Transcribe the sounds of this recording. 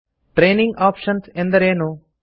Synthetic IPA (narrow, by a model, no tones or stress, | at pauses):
ʈɾeːniŋɡaːpʂɐnsend̪ɐɾeːnu